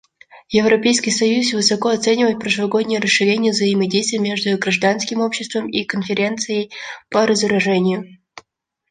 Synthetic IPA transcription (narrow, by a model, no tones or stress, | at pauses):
jɪvɾɐpʲejskəjsɐjusvɨsɐko̞ɐt̪sɛnʲɪvəjt̪̚pɾəʂvɐɡo̞d̪ʲnʲɪjəɾəsʂɨɾʲenʲɪjəvzəɪmɐdʲejst̪vʲɪjmʲeʐd̪ʊɡɾɐʐd̪anskʲɪmo̞pɕːɪst̪vəmikənfʲɪɾʲe̞nt̪sɨjəjpəɾəzəɾɐʐɛnʲɪjʊ